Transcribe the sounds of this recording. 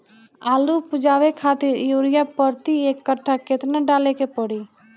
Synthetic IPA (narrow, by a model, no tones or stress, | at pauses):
aːlupud͡ʒaːʋekʰat̪iɾjuɾijapəɾt̪iekːəʈʰːaket̪naɖalekepəɽi